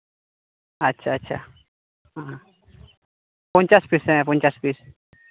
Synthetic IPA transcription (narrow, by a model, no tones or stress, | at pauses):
atːt͡ʃʰaat͡ʃʰa | aɦa | pʊnt͡ʃaspɪsẽpʊnt͡ʃaspɪs